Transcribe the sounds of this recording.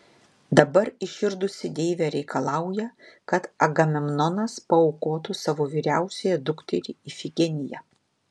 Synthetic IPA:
d̪ɐbɐɾɪʃʲɪɾd̪ʊsʲɪd̪ʲeːʋʲɛɾʲɛɪkɐlˠɑˑʊjɛkɐt̪ɐɡɐmʲɪmnɔnɐspɐɔʊkoːt̪usɑʋoːʋʲiːɾʲæˑʊsʲɛjɛd̪ʊkt̪ʲɛɾʲiifʲɪɡʲɛnʲɪjɛ̰

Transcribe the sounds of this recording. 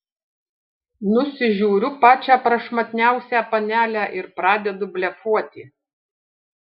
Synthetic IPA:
nʊsʲɪʒʲuːɾʲʊpɑːt͡ʃʲæːpɾɐʃmɐt̪ʲnʲæˑʊsʲæːpɐnʲæːlʲæːʔɪɾpɾɑːd̪ʲɛd̪ʊbʲlʲɛfuɔt̪ʲɪː

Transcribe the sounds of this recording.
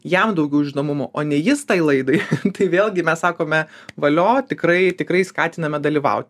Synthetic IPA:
jɛmd̪ɐʊɡʲɛʊʒʲɪnoːmʊmoʔoːnʲɛjɪst̪ɐɪlˠɐɪd̪ɐɪt̪ɐɪʋʲeːlˠɡʲɪmʲɛssɑːkoːmʲɛʋɐlʲoːt̪ʲɪkɾɐɪt̪ʲɪkrɐɪskɑːt̪ʲɪnɐmʲɛd̪ɐlʲiːʋɐ̰ʊt̪ʲ

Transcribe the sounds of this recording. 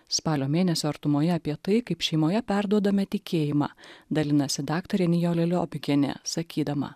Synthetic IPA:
spɑːlʲoːmʲeːnʲɛsʲoːɐɾt̪ʊmoːjɛɐpʲiɛt̪ɐɪkɐɪpʃʲɛɪmoːjɛpʲæˑɾd̪uɔd̪ɐmʲɛt̪ʲɪkʲeːjɪmɑ̰ːd̪ɐlʲɪnɐsʲɪd̪ɑːkt̪ɐɾʲɛnʲɪjoːlʲɛlʲo̰ːbʲɪɡʲɛnʲɛ̰ːsɐkʲiːd̪ɐmɐ̰

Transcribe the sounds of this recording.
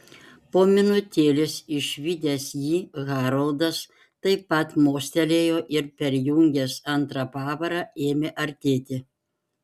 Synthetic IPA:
poːmʲɪnʊt̪ʲeːlʲɪsɪʃʋʲid̪ʲeːsjiːɣɑːɾɐlˠd̪ɐs | t̪ɐɪpɐt̪moːsʲt̪ʲɛlʲeːjoːʔɪɾpʲɛɾjuŋʲɡʲɛːsɐnt̪ɾɑpɑːʋɐɾɑːeːmʲeʔɐɾʲt̪ʲeːt̪ʲɪ

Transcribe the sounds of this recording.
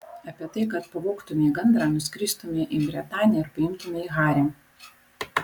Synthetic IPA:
ɐpʲiɛt̪ɐɪkɐt̪pɐʋoːkt̪ʊmʲeːɡɐnd̪ɾɑːnʊsʲkʲɾʲiːst̪ʊmʲeʔibʲɾʲɛt̪ɑːnʲɪjɛɪɾpɐɪmt̪ʊmʲeiːɣɑːɾʲe

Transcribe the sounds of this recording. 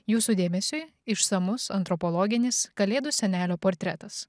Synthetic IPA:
juːsud̪ʲeːmʲɛsʲʊɪɪʃsɐmʊsɐnt̪ɾɔpɔlˠɔːɡʲɪnʲɪskɐlʲeːd̪ʊsʲɛnʲæːlʲoːpoːɾʲt̪ʲɾʲɛ̰t̪ɐs

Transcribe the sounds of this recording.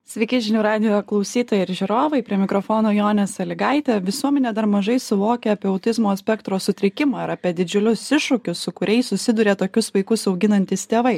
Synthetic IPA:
sʲʋʲɛɪkʲɪʒʲɪnʲuɾɑːd̪ʲɪjoklˠɐʊsʲiːt̪oːjɛɪɾʒʲɪɾoːʋɐɪpʲɾʲiɛmʲɪkɾofoːnoːjoːnʲɛsɐlʲɪɡɐɪt̪ʲɛʋʲɪsuɔmʲɛnʲɛd̪ɐɾmɐʒɐɪsʊʋoːkʲɛɐpʲiɛɐʊt̪ʲɪzmoːsʲpʲɛkt̪ɾoːsʊt̪ʲɾʲɪkʲɪmɑːɪɾɐpʲiɛd̪ʲɪd͡ʒʲʊlʲʊsɪʃʊkʲʊssʊkʊɾʲɛɪsʊsʲɪd̪ʊɾʲeːt̪oːkʲʊsʋɐɪkʊsɐʊɡʲɪnɐnʲt̪ʲɪst̪ʲeːʋɐɪ

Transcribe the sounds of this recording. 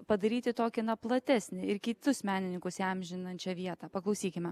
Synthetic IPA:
pɐd̪ɐɾʲiːt̪ʲɪt̪oːkʲɪnɐplˠɐt̪ʲæːsʲnʲɪɪɾkʲɪt̪ʊsmʲæːnʲɪnʲɪŋkʊsɛmʲʒʲɪnɐnʲt͡ʃʲɛʋʲiɛt̪ɑːpɐklˠɐʊsʲiːkʲɪmʲɛ

